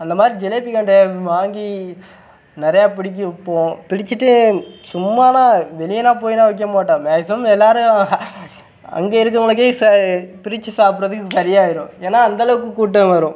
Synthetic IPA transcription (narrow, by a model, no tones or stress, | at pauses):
ɐnd̪ɐmaːd̪ɾid͡ʒɛleːpikɐɳɖeʋaːŋɡi | nɪɾɐjaːpɪɽɪk̬ʲːɯpːõːpɪɽɪt͡ʃːɯʈːɯsʊmːaːnãːʋɛlɪjɐnãːp̬oːjinãːʋɪk̬ːɐmaːʈːãːmeːsɐmɛlːaːɾɯ | ɐ̰ŋɡeːɪɾɯk̬ːɯŋɡɐɭɯk̬ːeːsɐpɪɾɪt͡ʃːɯsaːpɯɾɐðɯkːɯsɐɾɪjaːɪɾʊ̃ːeːnːaːɐnd̪ɐlɐʋɯkːɯkuːʈ̬ːɐ̃ʋɐɾʊ̃